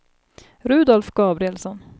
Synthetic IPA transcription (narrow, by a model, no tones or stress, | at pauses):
ɾʉ̟ːd̪ɔlfɡɑːbɾɪɛlsɔn